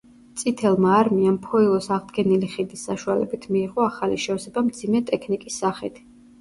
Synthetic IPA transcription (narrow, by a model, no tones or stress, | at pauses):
t̪sʼit̪ʰɛlˠmaːɾmiampʰɔilˠɔsaʁd̪ɡɛniliχid̪isːaʃualɛ̰bit̪ʰmiːʁɔaχaliʃɛɔsɛbamd̪z̥imɛt̪ʼɛkʰnikʼisːaχḭt̪ʰ